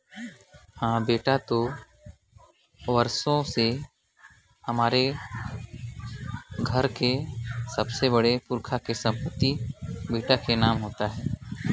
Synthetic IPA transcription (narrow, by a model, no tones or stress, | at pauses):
hãːbeːʈat̪o | ʋəɾsõse | hɐmaːɾe | ɡʱəɾkesəbsebɐɽepʊɾkʰakesɐ̃mpət̪ibeːʈakenaːmɦoːt̪aɦɛː